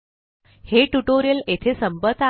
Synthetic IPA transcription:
heʈuʈoɾijəlet̪ʰesəmbət̪a

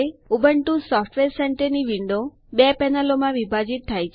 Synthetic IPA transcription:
eubəɳʈusɔfʈʋeɾsɛɳʈəɾniʋiɳɖo | bɛpɛnəlomãʋibʱad͡ʒit̪̚t̪ʰːajt͡ʃʰ

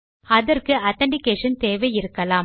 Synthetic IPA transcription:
ɐðɐɾkɯʔɐt̪ɐɳɖɪkeːʂɐnt̪eːʋɐɪɾɯkːɐlaːm

